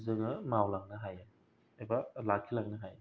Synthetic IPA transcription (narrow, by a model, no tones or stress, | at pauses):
zɯŋɯmawlak̚nɐɦaja | ajbalakʰːilak̚nɯɦaj